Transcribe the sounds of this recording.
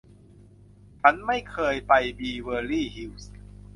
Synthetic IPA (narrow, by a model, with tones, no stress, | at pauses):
t͡ɕʰa˦˥nma˥˩jkʰɤː˧jpa˧jbiː˧wəː˧liː˥˩ɦi˧˥ws